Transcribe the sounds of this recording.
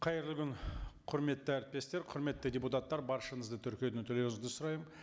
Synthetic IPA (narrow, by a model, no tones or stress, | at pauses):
qʰɑjeɾlɪɡʲʏnqʰʊɾme̞t̪ːɪæɾt̪̚t̪ʲe̞st̪e̞ɾqʰʊɾme̞t̪ːɪdʲeput̪at̪ːɑɾbɑɾʃənəzd̪ət̪ʰʏɾkʲijed̪ɪŋt̪ʰɵle̞nɪzd̪ɪsʊɾɑjəm